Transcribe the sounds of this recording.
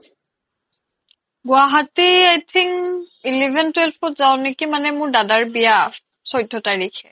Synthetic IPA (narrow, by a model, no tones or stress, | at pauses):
ɡwaɦatiajtʰiŋilivʱɛntwɛlpʰɔtzaw̃nekimanɛmʊɹdadaɹbija | sɔjdʱːɔtaɹikʰɛ̰